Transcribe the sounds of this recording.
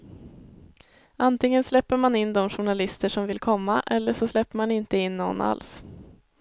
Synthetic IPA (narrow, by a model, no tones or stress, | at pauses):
ʔant̪ʰɪŋːənslɛpːəɾmanɪnːd̪ɔmɧʊɳalɪst̪əʂɔmvɪlkʰɔmːaʔɛlːəʂɔslɛpːəɾmanɪnt̪əɪnːɔ̰nːʔa̰ls